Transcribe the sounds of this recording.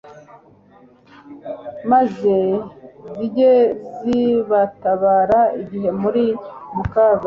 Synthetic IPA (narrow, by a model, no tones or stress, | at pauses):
mazeziɟeziβataβaːɾaiɟihe̞muɾimukaːzo